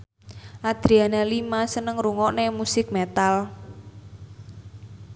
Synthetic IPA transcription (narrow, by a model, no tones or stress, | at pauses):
ʔad̪̥ɾianalimasənəŋruŋɔʔnemusɪk̚met̪al